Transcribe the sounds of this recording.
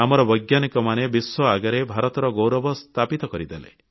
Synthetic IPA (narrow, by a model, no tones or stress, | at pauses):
amɔɾɔbɔjɡjanikɔmanebiswɔaɡaɾebʱaɾɔt̪ɔɾɔɡowɾɔbɔst̪ʰapit̪ɔkɔɾid̪elḛ